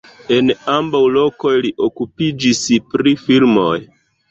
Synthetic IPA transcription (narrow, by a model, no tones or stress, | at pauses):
e̞nambawlo̞ko̞jliʔokupid͡ʒispɾifilmo̞j